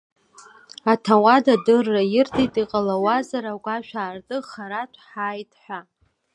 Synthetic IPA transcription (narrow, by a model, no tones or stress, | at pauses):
atʰawadadɨrːajɪrtʰʼitʼiqʼalawazaɾaɡʷaʃᶣaːrtʼɨχaɾatʷʰħajtʼħʷᶣa